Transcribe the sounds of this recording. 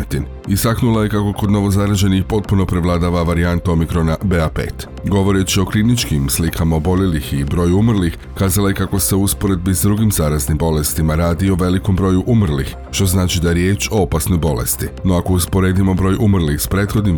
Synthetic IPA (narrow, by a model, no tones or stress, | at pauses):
t̪in | ist̪aknulˠajekako̞ko̞d̪no̞ʋo̞zaɾaʒe̞nixpo̞t̪̚puno̞pɾe̞ʋlˠad̪aʋaʋaɾiant̪o̞mikɾo̞nabeapḛt̪ | ɡo̞ʋo̞ɾet͡ʃio̞klinit͡ʃkimslikʰamaobo̞lelixibɾo̞ːjuumr̩lix | kaːzalaje̞kako̞se̞uuspo̞ɾe̞d̪̚bizd̪ɾuɡimzaɾaznimbo̞le̞st̪imaɾaːd̪io̞ʋe̞liko̞mbɾo̞ːjuʔumr̩lix | ʃt̪o̞znaːt͡ʃid̪ajeɾje̞ːt͡ʃo̞opasno̞jbo̞le̞̰st̪ino̞ako̞uspo̞ɾeːd̪imo̞bɾo̞ːjʔumr̩lixspɾe̞ːt̪xo̞d̪nim